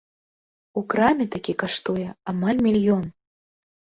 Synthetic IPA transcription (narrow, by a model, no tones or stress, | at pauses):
ukɾamʲit̪akʲikaʂt̪ujɛamalʲmʲilʲjɔn